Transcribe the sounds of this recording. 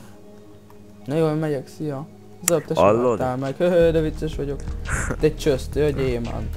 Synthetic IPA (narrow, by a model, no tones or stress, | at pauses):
nɒjoːemɛɟɛksijɒ | ɒzɒlɒp̚t̪ɛlːoaːlmɛɡhøɦød̪ɛvit̪sːɛʃʋɒɟo̞kd̪ɛc̚t͡ʃøst̪øːɒɟeːma̰n